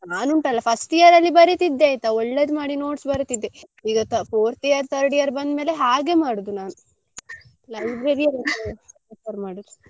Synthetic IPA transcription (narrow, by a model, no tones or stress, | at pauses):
naːnuɳʈɐlːɐpʰɐsʈijɐɾɐlːibɐɾit̪id̪ːeːjt̪ɐɔɭːed̪maːɽino̞ːʈsbɐɾt̪id̪ːe | iːɡɐt̪ɐpʰoːɾt̪ijɐɾt̪ʰɐɾɽijɐɾbɐnd̪meːle̞ɦaːɡe̞maːɽud̪unaːnu | lɐjbɾeɾiɐɾɐneɐpɐɾmaːɽud̪u